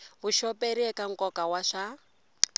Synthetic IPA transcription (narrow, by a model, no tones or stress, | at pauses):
βuʃɔpeɾiɛkaŋkɔkawaʂa